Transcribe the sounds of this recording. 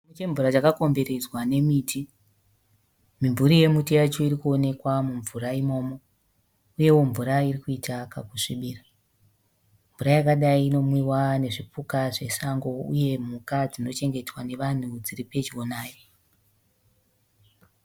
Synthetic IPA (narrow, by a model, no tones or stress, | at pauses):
mut͡ʃe̞ɱvuɾat͡ʃakako̞mbe̞ɾe̞d͡zwane̞miːtʰi | miɱvuɾije̞mutijat͡ʃo̞iɾikuo̞ne̞kwamuɱvuɾaimo̞ːmo̞ | uje̞wo̞ɱvuɾairikuitakakuʂiɓiːra | ɱvuɾajakaɗaiːno̞mwiwane̞ʐipukaʐe̞saŋɡo̞ṵje̞m̤ukad͡zino̞t͡ʃe̞ŋɡe̞twane̞ʋan̤ud͡ziripe̞t͡ʃio̞naːjo